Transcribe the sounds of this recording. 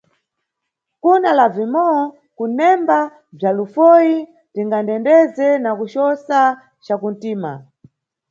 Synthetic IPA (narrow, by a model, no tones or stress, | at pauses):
kunalavimɔɔ | kunɛmba | b͡ʐalufɔji | tiŋɡandɛndɛzɛnakuʃɔsa | t͡ʃakun̩tiːma̰